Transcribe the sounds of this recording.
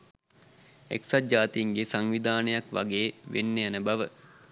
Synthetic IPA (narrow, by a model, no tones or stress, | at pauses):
ḛksad͡ʒaːt̪iiŋɡesaŋʋid̪aːnəjakʋa̰ɡeːʋḛnːejanəbaʋə